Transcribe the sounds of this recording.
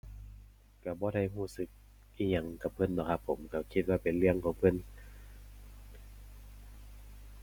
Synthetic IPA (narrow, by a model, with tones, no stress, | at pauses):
ka˧˩bɔː˧˦da˥˩˨jɦuː˧˩sɯ˧˦k̚ | ʔiː˧˩ɲa˧˩˨ŋka˨˧˩p̚ʰɤ˧˥˨ndɔː˧˩kʰa˧pʰːo˨˦mka˧˩kʰi˧t̪̚waː˧˨pe˨nlɯ˧˩əŋkʰɔː˧˦ŋpʰɤ˧˥˨n